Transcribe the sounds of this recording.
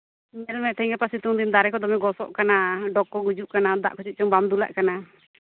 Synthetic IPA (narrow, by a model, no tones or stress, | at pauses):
mɛlmɛt̪ɛĩŋɡapasit̪uŋd̪ind̪aɾɛkɔd̪ɔmɛɡɔsɔ̰ʔkanaɖɔkːɔɡud͡ʒuʔkanad̪a̰ʔkʰɔt͡ʃit̪̚t͡ʃɔŋbamd̪ula̰ʔkana